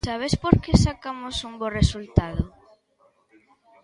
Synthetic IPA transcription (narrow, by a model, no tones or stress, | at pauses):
saβespoɾkesakamosuŋboresult̪aðʊ